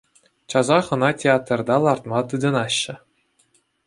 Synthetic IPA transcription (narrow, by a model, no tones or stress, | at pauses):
t͡ɕɑzɑχɤ̆nɑtʲeat̪rd̪ɑlˠɑrt̪mɑt̪ɯd̪ɤ̆nɑɕːɘ̆